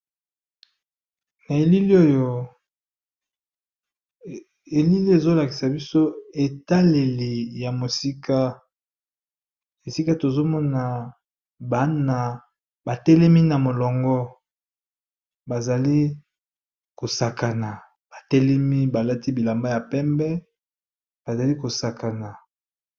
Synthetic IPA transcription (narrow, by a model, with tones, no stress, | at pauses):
na˨e˨li˦li˦o˦jo˦ | e˨li˦li˦e˨zo˦la˨ki̥˨sa˨bi˦so˦e˨ta˦le˨li˨ja˨mo˨si˦ka˦ | e˨si˦ka˦to˨zo˦mɔ˦na˨ | ba˦na˨ | ba˨tɛ˦lɛ˦mi˦na˨mo˨lɔ˨ŋɡɔ˦ | ba˨za˨li˦ | ko˨sa˨ka˨na˨ | b̥a˨tɛ˦lɛ˦mi˦ba˨la˦ti˦bi˨la˨mba˦ja˨pɛ˦mbɛ˦ | b̥a˨za˨li˦ko˨sa˨ka˨na˨